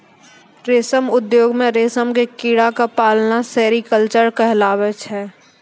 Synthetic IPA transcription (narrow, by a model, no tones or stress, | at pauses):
ɾeːsəmʊd̪joːɡmẽɾeːsəmkekiːɽakapaːlnasɛːɾikəlt͡ʃəɾkɛɦlaːʋet͡ʃʰɛː